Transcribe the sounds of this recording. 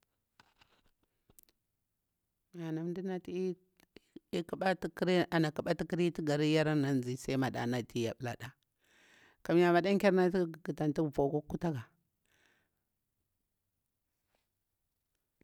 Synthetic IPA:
a˨na˨m˦di˦na˦ti˦ | i˦kɓa˦tkɾʔa˨na˨ka˨ɓa˦ti˦ki˦ɾi˦ti˦ɡa˨ɾi˦ja˦ɾa˦na˨n˨zi˨˦˨sa˦i˦ma˨ɗa̰˨na˨ti˦ja̰˨ɓla̰˨ɗa˦ | ka˨mja˨ma˨da˦ŋkʲa˦ɾna˦ti˦˨ɡi˨ta˨nti˦˨po˨ku˦kːu˦ta˦ɡa˨

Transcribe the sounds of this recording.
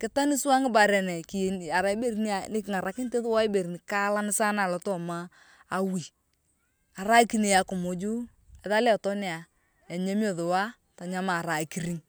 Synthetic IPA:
kɪ˦ta˦nɪ˦sʊ˦a˦ŋɪ˦ba˨ɾɛ˨nɛ˨ki˨n˨a˨ɾa˨i˦be˦ɾni˦a˨nɪ˦˨ŋa˨ɾa˨kɪ˦n˦te˦ðʊ˦wa˦be˨ɾni˨ka˦la˦nɪ˦sa˦na˨lɔ˨tɔ˦maː˦˨ | wi˨ | a˨ɾa˦ki˨ni˨ja˨kʊ˨mo˨d͡ʒu˦ | ɛ˨ða˦lɛ˦˨tɔ˦nɪ˦a˨ | ja˨ɲe˦mjo˦˨ðʊ˨wa˦ | ta˨ɲa˦ma˨ɾa˨ki˨ɾi˦ŋ

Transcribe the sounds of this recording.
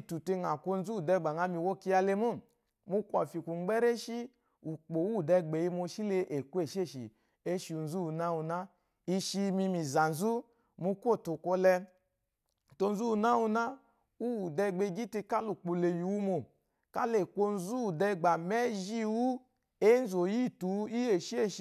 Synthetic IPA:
i˧tu˨te˧ŋa˨kʷo˧n̩˦zu˦u˨dɛ˧˨ɡ͡ba˨ŋa˨˧mi˧˨wo˦ki˧˦a˧le˧mo˦˨ | mu˧kʷɔ̰˨fi˨ku˨ŋ͡m̩˦ɡ͡bɛ˦ɾe˦ʃi˦ | u˨k͡po˨wu˦˨dɛ˧ɡ͡be˨i˧mo˧ʃi˦le˧ʔe˨kʷe˦˨ʃe˦˨ʃḭ˨ | e˦ʃi˧u˧n̩˦zu˦u˧na˦wu˧na˦ | i˧ʃi˧mi˧mi˨za˨n̩˨zu˦ | mu˧kʷo˦˨to˨kʷo˧lɛ˧˨ | to˧n̩˦zu˦u˧na˦wu˧na˦ | u˦wu˨dɛ˧ɡ͡be˧˦ɡi˦ti˧ka˦lu˨k͡po˨le˨ju˨wu˧mo˨ | ka˦le˨kʷo˧n̩˦zu˦u˨dɛ˧˨ɡ͡ba˨mɛ˦ʒi˦˧wu˦ | e˦n̩˦zo˨ji˦˨tu˨˦i˦e˨ʃi˦e˦˨ʃ

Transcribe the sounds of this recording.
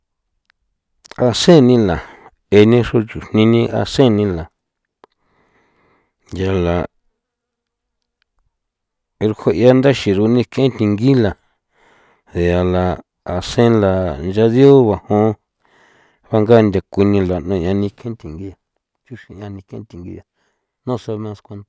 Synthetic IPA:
a˧sẽ˦˨˧nĩ˧la˨ | e˧nĩ˦ʂo˦t͡ʃu˨n̥nĩ˧nĩ˧ʔa̰˧sẽ˦˨nĩ˧la˨ | nja˧la˨˧ | ɾu˧hʰo˧ʔja˦nd̪a˦ʃi˨ɾu˧nĩ˧kʰe˧ẽ˦t̪i˧ŋɡi˦la˨ | ðe˨a˨la˨ | a˧sẽ˦la˨nd͡ʒa˧ðjo˦βa˧˨hõ˧˦˧ | βa˧ŋɡa˦˧nd̪ʲa˧kʷi˧nĩ˧la˨nõ˧ʔɲã˧nĩ˧kʰẽ˦t̪ʲi˨ŋɡi˦ja˧ | t͡ʃu˦ʃi˧ã˧nĩ˧kḛ̃˧˦t̪ʲi˧ŋɡḭ˧ja˨ | nõ˦sa˧mẽ˧skʷe˧nd̪ḁ˧

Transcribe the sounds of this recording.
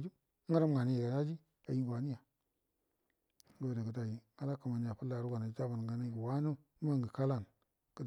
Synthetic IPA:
d͡ʒi˦ | ŋa˦ɾa˦m˦ŋa˨ni˦ji˨ɡa˨na˦d͡ʒi˦ | a˨ji˦˨ba˨ni˦ja˨˦ | ɡo˦˨de˨kə˨da˦ji˨ŋa˦la˦ka˨ma˨ni˦ja˨pu˦lːa˨ɾu˦ɡa˨na˨˦d͡ʒa˦ba˨n˨ɡa˨na˦˨wa˦nu˦ma˦ŋɡi˨ka˦la˦˨n | kə˦d

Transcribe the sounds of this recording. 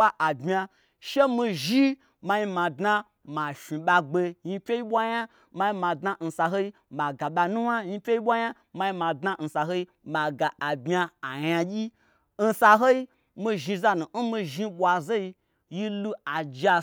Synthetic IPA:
a˦ʔa˨bʲa˧ | ʃe˦mi˧ʒi˦ | ma˧ji˧mã˨dna˦ | ma˨fi˨ɓa˧ɡ͡be˧ji˧pʲe˦ji˦ɓʷa˦ja˦ | ma˧ji˧ma˨dna˦n̩˧sa˧ɦo˦i˦ma˨ɡa˨ɓa˧nũ˦wa˦ji˧pʲe˦i˦ɓʷa˦ja˦ | ma˧i˧ma˨dna˦n̩˧sa˨ɦo˦i˦ | ma˨ɡa˨a˨bʲa˧a˨ja˧ɡʲi˦ | n̩˧sa˧ɦo˦i˦ | mi˧ʒi˧za˧nu˨n̩˦mi˧ʒi˧ɓʷa˨ze˦i˧ | ji˦lu˧a˨d͡ʒa˧

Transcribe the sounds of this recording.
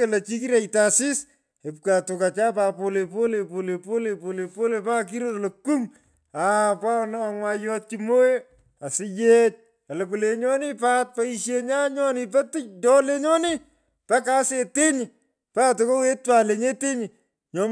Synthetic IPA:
e˨lɐ˨t͡ʃi˦kiɾa˨itasɪ˦s | e˨pka˨to˨ka˨t͡ʃaː˦pa˨po˧le˨po˦le˨po˨le˨po˦le˨po˨le˨po˦le˨pa˦k̬i˦ɾo˦ɾloku˦m | apa˦na˨ŋwa˧jɔ˦t̚kimo˦e | a˨sɪ˦je˦t͡ʃ̚ | a˨lɐ˨ku˨le˨ɲɔ˦nɪ˦pa˦t̚pa˦iʃje˧ɲa˦ɲɔ˦nɪ˨pɛ˦tɪ˦tɔ˦le˦ɲɔ˦nɪ˦ | pa˦ka˦se˨te˦ɲi˨ | pa˦to˨ko˦we˦twa˨le˨ɲe˦te˦ɲi˨ | ɲɔ˨m

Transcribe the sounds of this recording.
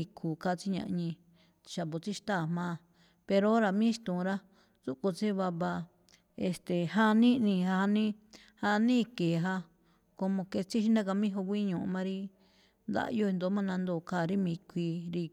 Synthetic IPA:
i˧kʰu˨ka˧˦˨t͡si˦ɲã̰˧ʔɲĩ̥˧ | ʃa˨βo˨t͡si˦ʃt̪aː˦˨mã˦ | pe˧ɾo˦ɾa˨mĩ˦ʃt̪ũ˨˧ɾa˦ | zu˦ko˧t͡se˦βa˧βa˧ | e˧st̪e˨ɦa˦nĩ˦nĩ˧ha˧ha˧nĩ˦ | ha˧nĩː˦keː˨ɦa˧ | ko˧mõ˧ke˧t͡si˦ʃ̬i˦nã˦ka˧mĩ˦ɦo˧kʷi˦ɲũ˨ʔũ˧mã˧ɾi˦ | nd̪a̰˧ʔjo˦˧e˧nd̪o˧˦mã˦˧nã˧nd̪oː˧˨ka˦˨ɾi˦mĩ˧kʷi˧ɾi˧

